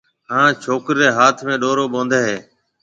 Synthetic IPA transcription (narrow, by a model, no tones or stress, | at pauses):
ɦãːt͡ʃʰoːkɾːeːɦaːt̪ʰmẽːɗoːɾoːɓõːnd̪eːɦeː